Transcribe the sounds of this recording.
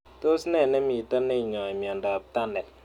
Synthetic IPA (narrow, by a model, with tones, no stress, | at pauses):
to˦snɛ˦˨nɛ˦mi˨tə˦ne˦˨ɲɔ˨i˨mjɔ˨nda˨p̚ta˦ndɛ˨